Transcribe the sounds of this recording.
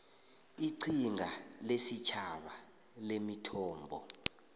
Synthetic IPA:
iǀʰiŋʱalesit͡ʃʰaɓa | lemitʰɔːmbʱɔ

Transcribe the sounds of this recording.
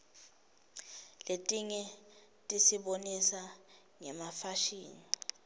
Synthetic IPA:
letʼiɲɛ | tʼisiɓonisa | ŋɛmafaʃiːni

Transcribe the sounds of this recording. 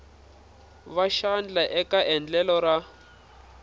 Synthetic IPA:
βaʃand͡ɮaʔɛkaʔɛnd͡ɮɛlɔra

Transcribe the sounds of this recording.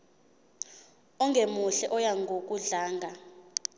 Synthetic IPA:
ɔŋɡʱemuɬɛʔɔjaŋɡʱok̬ʼuɮaːŋɡʱa

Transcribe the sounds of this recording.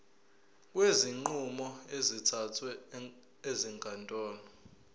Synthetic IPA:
k̬ʼweziŋ͡ǃumɔezitʰatʰwɛ | eziŋɡʰʱʼantʼɔːnɔ

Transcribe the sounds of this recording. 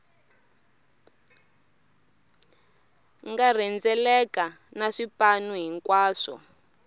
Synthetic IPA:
ŋɡar̤ɛnd͡zɛlɛka | naʂipanuɦiŋkwaːʂɔ̰

